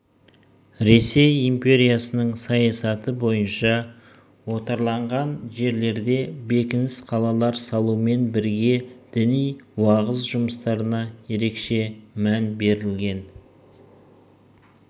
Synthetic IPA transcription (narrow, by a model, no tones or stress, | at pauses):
ɾe̞se̞jimpʲe̞ɾijasənəɴsɑjɑsɑt̪əbo̞jənʃɑ | wo̞t̪ɑɾlˠɑɴʁɑnʒe̞ɾle̞ɾd̪e̞be̞kʲɪnɪsqʰɑlˠɑlˠɑɾsɑlˠume̞nbɪɾɡʲe̞d̪̥ɪnijwɑʁəzʒʊməst̪ɑɾənɑje̞ɾe̞kʃe̞mænbe̞ɾɪlɡʲe̞n